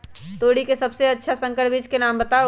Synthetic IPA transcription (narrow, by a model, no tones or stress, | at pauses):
t̪oːɽikesɐbseɐtːʃʰasə̃ŋkəʈbiːd͡ʒkenaːmbət̪a